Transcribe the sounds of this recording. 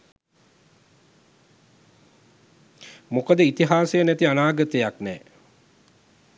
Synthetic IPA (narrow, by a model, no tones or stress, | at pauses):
mokəd̪əit̪iɦaːsejənæt̪ianaːɡət̪ejaknɛː